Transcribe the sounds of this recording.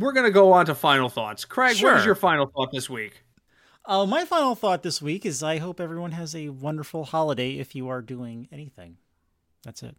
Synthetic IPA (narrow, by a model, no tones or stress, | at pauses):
wɪɹɡʌnɨɡoʊə̃ntəfãɪ̃nl̩ˠθɔ̰tskʰɹ̥æɡwə˞zjə˞fãɪ̃nl̩ˠθɔt̪̚ðɪswik | ʌmaɪfãɪ̃nl̩ˠθɔt̪̚ðɪswikɨzaɪɦoʊpɛvɹiwʌ̃nɨzɨwʌ̃ndə˞fl̩ˠhɑlˠəɾeɪɪ̰fjɨə˞duɪ̃ŋɛniθɪ̰̃ŋ | ðætsɨ̰t̚